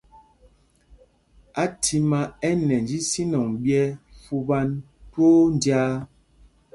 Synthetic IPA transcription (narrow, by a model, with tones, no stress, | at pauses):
a˦tʰi˨ma˦ɛ˦nɛ˨n˨d͡ʒi˦si˦nɔ˨ŋbjɛ˦fu˦ba˦n | toː˦n˨djaː˦